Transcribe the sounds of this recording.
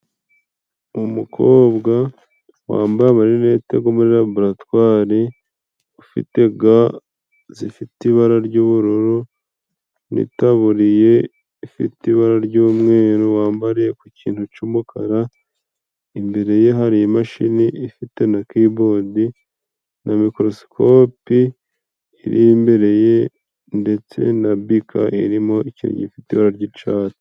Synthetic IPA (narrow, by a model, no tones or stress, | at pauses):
umukʰo̞ːbɡa | wa̰ːmbaβaɾienete̞ɡomuɾiɾaboɾatwaːɾi | ufḭte̞ɡa | zifitiβaɾaɾɟuːβuɾoɾo | nḭtaβuɾije̞ | ifḭtiβaɾaɾɟuːmŋe̞ːɾowaːmbaɾijekuciːnthut͡ʃumukʰa̰ɾa | imbe̞ɾe̞je̞ɦaɾiimaʃiniʔifite̞nakibodi | nʔamikɾo̞skʰopi | iːɾiːmbe̞ɾe̞je̞ | nde̞t͡se̞̰nabikʰa̰ʔiɾimo̞iciɾḭɲifitiβaɾaɾɟit͡ʃaːtu̥